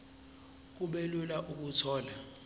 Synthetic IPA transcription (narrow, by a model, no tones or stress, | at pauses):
k̬uɓɛlulaʔuk̬utʰɔːla